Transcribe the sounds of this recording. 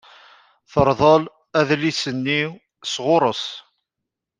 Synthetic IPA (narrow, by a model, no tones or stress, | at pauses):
θəɾˤðˤəl | æðlisənːiw | sʁʊɾˤəs